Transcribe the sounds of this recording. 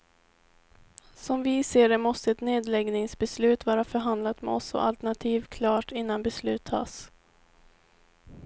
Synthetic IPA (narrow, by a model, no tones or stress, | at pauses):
sɔmvɪseːɖɛmɔst̪əɛt̪neːd̪lɛɡnɪŋsbɛslʉ̟ːt̪vɑːɾafœɾɦand̪lat̪mɛ̰ɔ̰sɔ̰ʔa̰lt̪æɳat̪ʰiːvkʰlɑːʈɪnːanbɛslʉ̟ːt̪ʰːɑ̰ːs